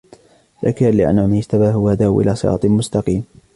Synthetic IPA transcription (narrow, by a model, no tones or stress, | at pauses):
ðakalɪʔa̰nʕʊmaɪʃt̪abaːɦʊhad̪aːʔwʔɪ̰laːsˤɨɾɑ̰ːt̪ˤmʊst̪ɑqiːm